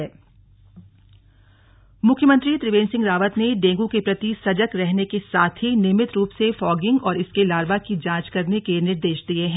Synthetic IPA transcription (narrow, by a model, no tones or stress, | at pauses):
ɛː | mʊkʰjəmə̃nt̪ɾit̪ɾɪʋẽːnsɪ̃ŋɡɾaːʋət̪neɖẽːŋɡukepɾɐt̪isɐd͡ʒəkɾɛɦnekesaːt̪ʰɦinɪmɪt̪ɾuːpsefɔːɡɪ̃ŋɡɔːɾɪskelaːɾbakid͡ʒãːt͡ʃkɐɾnekenɪɾd̪eːʃd̪ieɦɛ̃